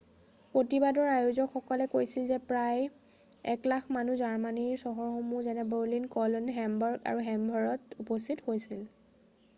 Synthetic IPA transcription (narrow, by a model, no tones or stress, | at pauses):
pɹotibadɔɹajuzɔkxɔkɔlɛkojsilzɛpɹaj | ɛ̰klakʰmanuzaɹmaniɹsɔɦɔɹxomuzɛnɛbɛɹlinkɔlɔnɦɛmbɔɹɡa̰ɹuɦɛmbʱɔɹɔtupɔstithojsil